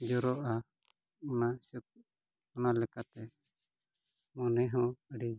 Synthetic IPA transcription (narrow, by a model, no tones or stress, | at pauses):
d͡ʒɔɾɔʔa | ɔnasəp̚ | ɔnalɛkat̪ɛ | mɔnɛɦɔ̃əɖi